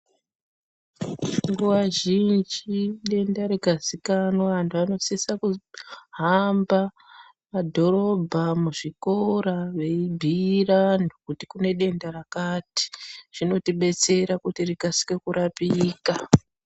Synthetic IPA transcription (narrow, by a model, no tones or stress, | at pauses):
ŋɡuʋaʒind͡ʒiiɗe̞ndaɾeɡʱazikanwaantuano̞sisakuɦamba | madʱo̞ɾo̞bʱamuʐiko̞ɾaʋe̞ibʱiranokutikune̞ɗe̞ndarakati̥ʐ̥ino̞tiɓe̞t͡se̞ɾakutiriɡʱasi̥ke̞kuɾapiːka